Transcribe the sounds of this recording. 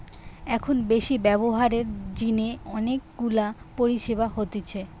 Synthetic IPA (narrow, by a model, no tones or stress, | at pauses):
ɛkʰonbeʃibɛboɦaɾeɾd͡ʑineɔnekɡulapoɾiʃeβaɦot̪et͡ɕʰe